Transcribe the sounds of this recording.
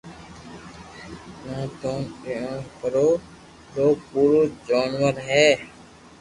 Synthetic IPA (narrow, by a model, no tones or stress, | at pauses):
nãːt̪oːneãːpəɾoː | ɾoːpuːɾoːd͡ʒaːnʋəɾɦɛː